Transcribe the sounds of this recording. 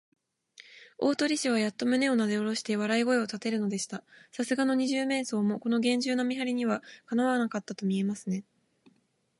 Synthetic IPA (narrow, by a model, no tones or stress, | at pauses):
o̞ːt̪o̞ɾʲiɕiβ̞ajat̪ːo̞mɯ̟ne̞o̞nad̪e̞o̞ɾo̞ɕi̥t̪e̞βaɾaiɡo̞e̞o̞t̪at̪e̞ɾɯ̟no̞d̪e̞ɕi̥t̪asasɨɡano̞ɲ̟iʑɨːmẽ̞ːso̞ːmo̞ko̞no̞ɡẽ̞ɲ̟d͡ʑɨːno̞mʲiɦaɾʲiɲ̟iβakanaβaanakat̪ːat̪o̞mʲie̞masɨne̞